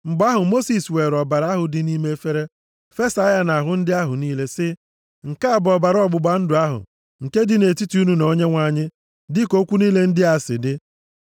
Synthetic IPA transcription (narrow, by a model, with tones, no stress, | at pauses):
ŋ͡m̩˨ɡ͡ba˦ɦʊ˨mo˦si˨swe˨ɾɔ˨ba˨ɾa˦ɦʊ˨dɪ˨ni˦me˦e˦fe˦ɾe˦ | fe˦sa˦ja˦na˨ɦʊ˨n̩˦dɪ˦a˦ɦʊ˨niː˦le˦sɪ˦ | ŋ̩˨ka˦˨bɔ˨ba˨ɾɔ˦ɡ͡bʊ˨ɡ͡ba˨n̩˦dʊ˨a˦ɦʊ̰˨ | ŋ̩˨ke˦dɪ˦ne˨ti˦ti˨˦u˦nu˦no˦ɲe˦ŋʷa˨˦ɲɪ˦ | dɪ˦ko˦kʷu˦niː˦le˦n̩˦dɪ˦a˨sɪ̰˨dɪ˦